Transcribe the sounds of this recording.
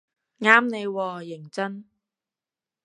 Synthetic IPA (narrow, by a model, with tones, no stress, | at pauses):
ŋaː˥mne˨˧jwɔː˧jɪ˨˩ŋt͡sɐ˥n